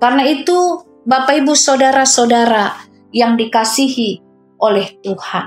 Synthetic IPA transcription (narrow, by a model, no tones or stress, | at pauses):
karnait̪u | bapaibusodaɾasodaɾa | jaŋdikasiɦi | ʔolɛht̪uhan